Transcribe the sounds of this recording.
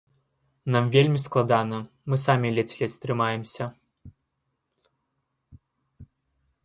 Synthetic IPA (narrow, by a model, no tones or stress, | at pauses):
namvʲelʲmʲisklˠad̪anɐ | mɨsamʲilʲɛt͡sʲlʲɛst̪ɾɨmajɛmsʲɐ